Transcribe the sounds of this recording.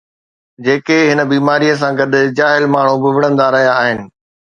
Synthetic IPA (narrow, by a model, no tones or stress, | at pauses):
d͡ʑeːkeɦɪnəbiːmaːɾijəs̬ãɡɐd̪ʱʊ̆d͡ʑaːɦɪlmaːɳ̤ubɪʋɪɽ̤̃ə̃nd̪aɾɐɦijaːɦɪnɪ̆